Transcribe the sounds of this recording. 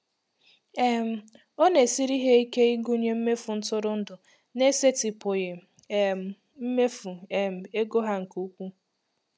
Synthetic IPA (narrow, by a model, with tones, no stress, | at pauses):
e˦m̩˨ | o˦ne˨si˦ɾi˦ɦe˦i˦ke˦i˦ɡu˦ɲe˦m̩˦me˦fʊ˨n̩˦tʊ˦ɾʊ˦n̩˦dʊ˨ | ne˦se˦ti˨pʊ˨ɣɪ˨ | e˨m̩˨ | m̩˦me˦fu˨e˨m̩˨e˦ɡo˦ɦa˦ŋ̩˨ku˦kʷu˦